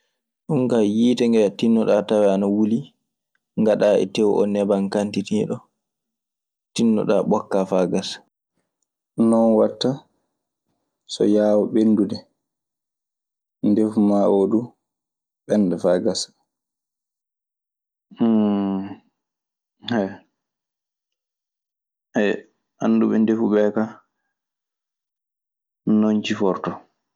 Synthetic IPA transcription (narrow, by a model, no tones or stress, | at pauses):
ɗuŋkajiːtɛŋɡɛtinːɔɗatawɛanawuli | ŋɡaɗaːʔɛ̰tɛwʔɔ̰nɛbaŋkantitiɗɔ | tinːɔ̰ɗa̰ɓɔkːafaɡasḁ | nɔnwatːa | sɔ̰jaːwɔɓenːdudɛ | ndefumaʔodu | ɓɛndɛfaɡasḁ | hɛ | ɛ | ʔanːduɓɛndefuɓɛka | nont͡ʃifɔɾtɔ